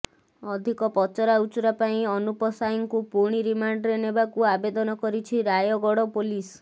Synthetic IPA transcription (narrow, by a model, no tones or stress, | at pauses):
ɔd̪ʱikɔpɔt͡ʃɔɾaut͡ʃuɾapaĩɔnupɔsajiŋkupuɾɽ̃iɾimaɳɖɾenebakuabed̪ɔnɔkɔɾit͡ʃʰiɾajɔɡɔɽɔpolis